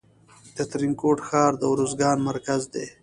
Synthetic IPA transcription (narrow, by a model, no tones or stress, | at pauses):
d̪̥ət̪ɾiŋkoːʈxɑːɾd̪əwɾozɡɑːnmaɾkazd̪eː